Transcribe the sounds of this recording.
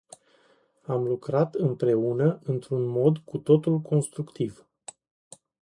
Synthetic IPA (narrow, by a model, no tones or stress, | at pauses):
amlukɾat̪ɨmpɾe̞unəʔɨnt̪ɾunmo̞d̪kut̪o̞t̪ulko̞nst̪ɾukt̪ʰiv̥